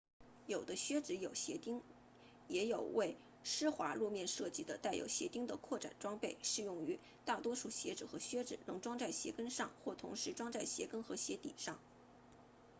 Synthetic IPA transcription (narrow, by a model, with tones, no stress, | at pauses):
jo˨˩ʊd̪ə˦ɕɥɛ˥ʈ͡ʂɻ̩˧˥jo˨˩ʊɕjɛ̰˧˥t̪i˥ŋ | jɛ˧˥jo˨˩ʊwe˥˩ɪ | ʂɻ̩˥xwa˧˥ɻu˥˧mjɛ˥˧nʂɤ˥˩t͡ɕi˧˥d̪ə˧t̪a˥˩ɪjo̰˨˩ʊɕjɛ̰˧˥t̪i˥ŋd̪ə˨kʰwɔ˥˩ʈ͡ʂa̰˨˩nʈ͡ʂwɑ˥ŋpe˥˩ɪʂɻ̩˥˧jʊ˥˩ŋy˧˥ | t̪a˥˩t̪wɔ˥ʂu˥˩ɕjɛ˧˥ʈ͡ʂɻ̩˨˩xɤ˧˥ɕɥɛ˥ʈ͡ʂɻ̩˨˩nɤ˧˥ŋʈ͡ʂwɑ˥ŋt͡sa˥˩ɪɕjɛ̰˧˥kə˥nʂɑ˥˧ŋxwɔ˥˩t̪ʰʊ̰˧˥ŋʂɻ̩˧˥ʈ͡ʂwɑ˥ŋt͡sa˥˩ɪɕjɛ̰˧˥kə˥nxɤ˧˥ɕjɛ˧˥t̪ḭ˨˩ʂɑ˥˩ŋ